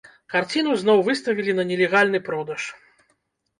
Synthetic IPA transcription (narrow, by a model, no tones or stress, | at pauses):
kart͡sʲinuznɔwvɨst̪ɐvʲilʲinɐnʲɛlʲɛɣalʲnɨpɾɔd̪ɐʂ